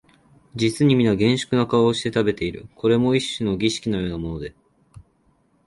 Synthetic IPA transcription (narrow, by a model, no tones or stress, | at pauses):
d͡ʑit͡sɨɲ̟imʲinaɡẽ̞ɰ̃ɕɨ̥kɯ̟nakaβaoɕi̥t̪et̪abe̞t̪e̞iɾɯ̟̰kʰo̞ɾe̞mo̞iɕːɨno̞ɡʲiɕi̥kʲinojo̞ːnamo̞no̞d̪e̞s